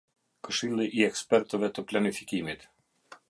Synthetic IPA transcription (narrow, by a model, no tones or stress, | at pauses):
kəʃilˠɪʔiɛkspɛɾt̪ɔʋɛt̪əplʲanifikʲimit̪